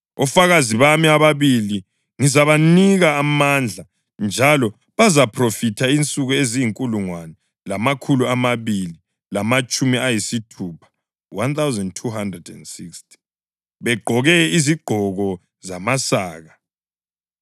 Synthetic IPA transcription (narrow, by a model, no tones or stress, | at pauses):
ɔfaɣaziβamiaβaβili | ŋizaβaniɣaːmand͡ɮʱa | nd͡ʒʱalɔ | βazapʰrofitʰaint͡sʼuɣuezijiŋkʼuluŋwanɛ | lamakʰuluamaβili | lamat͡ʃʼumiajisitʰuːpʰḁ | want̪ʰawzɛndtʰuɦandrɛdɛ̰ndsikstʰi̥ | βɛɡ͡ǃʱɔɣɛiziɡ͡ǃʱɔɣɔ | zamasaːɣa